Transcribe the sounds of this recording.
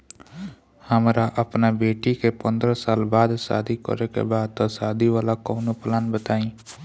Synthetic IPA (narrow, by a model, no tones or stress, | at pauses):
həmɾaʔəpnabeːʈikepə̃nd̪ɾəsaːlbaːd̪sa̰ːd̪ʱikə̰ɾekḛbaːd̪̚t̪osaːd̪ʱiʋaːlakɔːnoplaːnbət̪aːĩː